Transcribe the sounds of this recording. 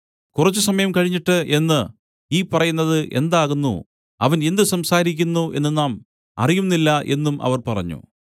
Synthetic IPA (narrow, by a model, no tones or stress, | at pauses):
kurɐt͡ɕːusɐmɐjɐmkɐɻiɲːiʈːɨʔe̞nːɨ | iːpɐrɐjunːɐðɨʔe̞nd̪aːɣunːṵ | ɐʋɐne̞nd̪ɨsɐmsaːɾikʲːunːuʔe̞nːɨnaːm | ɐ̰rijumnːilːɐʔe̞̰nːumʔɐ̰ʋɐrpɐrɐɲːṵ